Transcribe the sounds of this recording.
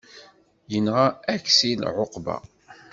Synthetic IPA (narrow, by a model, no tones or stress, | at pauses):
jənʁaæksilʕoqbæ̰